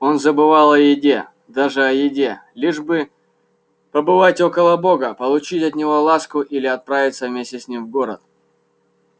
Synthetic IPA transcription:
o̞nzəbɨvalˠɐjɪdʲe̞ | d̪aʐɨɐjɪdʲe̞lʲiʐbɨ | pəbɨvatʲo̞kəlˠəbo̞ɡəpəlˠʊt͡ɕitʲɐt̪nʲɪvo̞lˠaskʊʔilʲɪɐt̪̚pɾavʲɪt̪səvmʲesʲtʲɪsʲnʲimvɡo̞ɾət̪̚

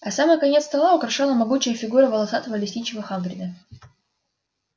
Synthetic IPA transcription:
ɐsaməjkɐnʲe̞t̪st̪ɐlˠaʊkɾɐʂalˠəmɐɡut͡ɕɪjəfʲɪɡuɾəvəlˠɐsat̪əvəlʲɪsʲtʲit͡ɕɪvəxambɾʲɪd̪ə

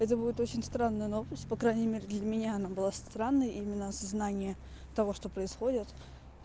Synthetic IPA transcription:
ɛt̪̬əbudʲɪt̪o̞t͡ɕɪnʲst̪ɾanːəjənovəsʲtʲpɐkɾajnʲɪjmʲeɾʲɪd̪lʲəmʲɪnʲaɐnabɨlˠast̪ɾanːəjəʔimʲɪnːəɐsɐznanʲɪjə | t̪ɐvo̞ʂt̪o̞pɾəɪsxo̞dʲɪt̪

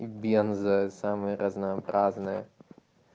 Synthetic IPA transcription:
ibijɐnzɐsaːmɾɐznaːpɾaːznɐ

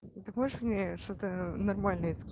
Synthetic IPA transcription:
t̪ɨmoɪʂmnʲeʂt̪ot̪ənɐrmalʲnəjəskʲ

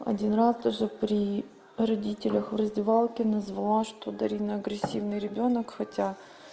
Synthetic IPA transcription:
ɐ̰dʲinrasd̪aʐɨpɾʲi | rɐdʲitʲɪlʲəxvrəzʲdʲɪvalˠkʲɪnəzvɐlˠaʂt̪od̪ɐɾʲinəɐɡɾʲɪsʲːivnɨjɾʲɪbʲo̞nəkxɐtʲa

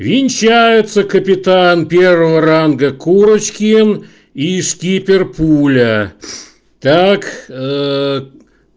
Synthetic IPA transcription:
vʲɪnʲt͡ɕæjɪt̪səkəpʲɪt̪anpʲe̞rvəvəɾanɡəkuɾət͡ɕkʲɪn | iʂkʲipʲɪrpulʲə | t̪ak

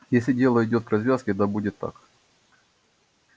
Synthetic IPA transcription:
jesʲlʲɪdʲe̞lˠəɪdʲo̞t̪̚krɐzvʲaskʲɪd̪abudʲɪt̪ːa̰k

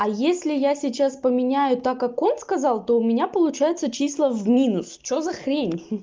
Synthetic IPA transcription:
ɐjesʲlʲɪjasʲɪt͡ɕaspəmʲɪnʲæjʊt̪akːako̞nskɐzɑlˠt̪o̞ʊmʲɪnʲapəlˠʊt͡ɕæjɪt̪sət͡ɕislˠəvmʲinʊst͡ɕozɐxɾʲenʲ

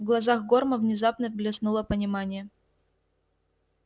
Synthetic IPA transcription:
vɡlˠɐzaxɡo̞rməvnʲɪzapnəvɡlʲɪsnulˠəpənʲɪmanʲɪjə

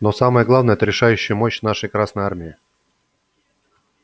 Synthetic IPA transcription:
nosaməjəɡlˠavnəjɛt̪əɾʲɪʂajʉɕːɪjmoɕnaʂəjkɾasnəjarmʲɪɪ

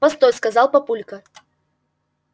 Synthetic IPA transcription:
ɐst̪ojʲskɐzalˠpɐpulʲkɐ

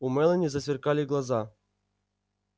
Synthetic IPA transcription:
umɛlʲˠɘnʲizasʲʋʲɪrkɑlʲiɡlˠɑzɑ

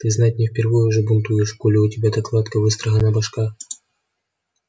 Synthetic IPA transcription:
t̪ɨznatʲnʲɪfʲpʲɪrvɨjʊʐɨbʊnt̪ujɪʂkulʲɪʊtʲɪbʲad̪ɐklˠat̪kəvɨst̪ɾɐɣənabɐʂka

